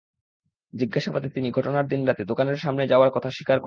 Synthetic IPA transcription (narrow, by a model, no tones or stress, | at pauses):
d͡ʑiɡːaʃapad̪et̪iniɡʱɔʈonaɾd̪inɾat̪ed̪okaneɾʃamned͡ʑaoaɾkɔt̪ʰaʃi̥kaɾ